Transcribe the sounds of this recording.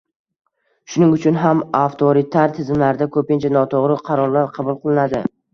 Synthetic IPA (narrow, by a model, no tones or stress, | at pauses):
ʃʊnɪŋʊt͡ʃʰʊnɦamaft̪ʰoɾɪt̪ʰaɾt̪ʰɪzɪmlaɾɪd̪akʰɵpɪnt͡ʃʰanɒt̪ʰoʁɾɪqʰɑɾɒɾlaɾqʰɑbʊlˠqʰɨlˠɪnad̪ɪ